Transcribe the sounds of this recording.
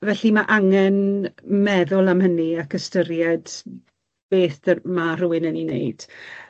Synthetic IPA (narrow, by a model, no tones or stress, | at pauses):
vɛɬimaʔaŋɛnmɛðʊlˠamhəniakʰəstəɾjɛd̥ | b̥eːθdəmar̥ʊwɪnəninḛjd̥